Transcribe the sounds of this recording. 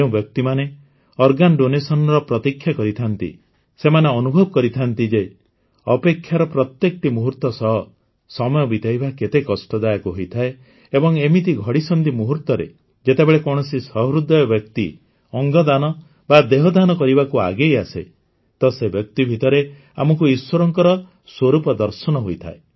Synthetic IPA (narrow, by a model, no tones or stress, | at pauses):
ũbjɔk̚t̪imane | ɔɾɡanɔɖonesɔnɔɾɔpɾɔt̪ikʰːjakɔɾit̪ʰant̪ḭ | semaneɔnubʱɔbɔkɔɾit̪ʰant̪id͡ʒe | ɔpekʰːjaɾɔpɾɔt̪jekɔʈimuɦuɾt̪ɔsɔɦɔ | sɔmɔjɔbit̪aibaket̪ekɔsʈɔd̪ajɔkuɦojt̪ʰae | ebɔŋemit̪iɡʱɔɽisɔnd̪imuɦuɾt̪ɔɾḛ | d͡ʒet̪ebeɭekɔɽ̃ɔsisɔɦɾud̪ʱːɔjɔbjɔkt̪i | ɔŋɡɔd̪anɔ | bad̪eɦɔd̪anɔkɔɾibakua̰ɡejasḛ | t̪ɔsebjɔk̚t̪ibʱit̪ɔɾe | a̰mɔkuiswɔɾɔŋkɔɾɔ | swoɾupɔd̪ɔɾsɔnɔɦojt̪ʰa̰e